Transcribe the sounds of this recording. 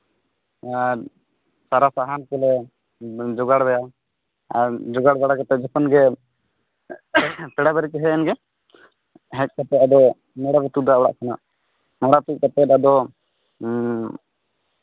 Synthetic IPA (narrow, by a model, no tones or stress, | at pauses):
aɾ | saɾasaɦankɔlɛ | d͡ʒɔɡaɽbɛja | aɾd͡ʒɔɡaɽbɛɽakat̪ɛt̪̚d͡ʒɔpɔnɡɛ | pɛɽabɛɾikɛɦɛɛnɡɛ | ɦɛc̚kat̪ɛt̪̚ad̪ɔ | mɔɽaɾɛt̪ud̪aɔɽa̰ʔkʰana̰ʔ | mɔɽat̪uʔ̚kat̪ɛt̪̚ad̪ɔ